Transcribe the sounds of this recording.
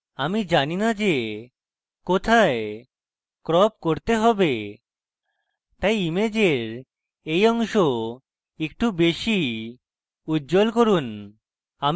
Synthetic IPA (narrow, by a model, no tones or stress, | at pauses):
amid͡ʑaninad͡ʑe | kot̪ʰae | kɾɔp̚koɾt̪eɦɔbe | t̪ajimed͡ʑeɾ | ejɔŋʃo | ek̚ʈubeʃi | udːd͡ʑolkoɾun | a